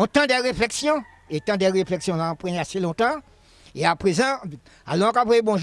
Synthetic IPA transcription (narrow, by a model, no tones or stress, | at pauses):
ɔ̃t̪ãd̪ɛʁeflɛksjɔ̃ | et̪ãd̪ɛʁeflɛksjɔ̃laɔ̃pɛ̃aselɔ̃t̪ã | eapʁezɑ̃ | a̰lɔɔ̃kapeebɔ̃ʒ